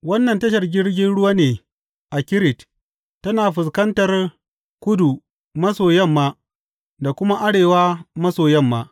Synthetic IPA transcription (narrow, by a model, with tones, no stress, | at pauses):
wɐ˦nːɐ˨ntɐ˦ʃ̬ɐ˨rɡʲɪ˦ɽɡʲɪ˦nɽʊ˦waː˦neː˨ | ʔa˨kʲɪ˦ɾɪ˨t | tːɐ˦naː˨ɸɪ˨s̬kɐ˦ntɐ˨r | kʷʊ˦du˨ | mɐ˦soː˨jɐ˦˨mːaː˦ | da˨kʷʊ˦ma˦ʔa˦ɽeː˨waː˦mɐ˦soː˨jɛ˦˨mːaː˦